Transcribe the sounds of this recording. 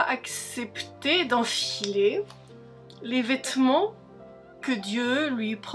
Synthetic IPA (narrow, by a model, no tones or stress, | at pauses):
aksɛpt̪ed̪ɑ̃file | levɛt̪mɑ̃ | kəd̪jølɥipχ